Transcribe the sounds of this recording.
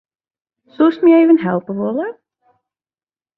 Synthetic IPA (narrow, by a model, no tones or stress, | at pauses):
susmiejvənɦɛlˠpəʋɔlə